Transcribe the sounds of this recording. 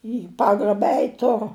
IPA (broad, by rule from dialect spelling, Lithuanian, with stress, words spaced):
iː ˈpɑːɡrɐbɐ ˈɛɪtʲ ˈtʊrʊ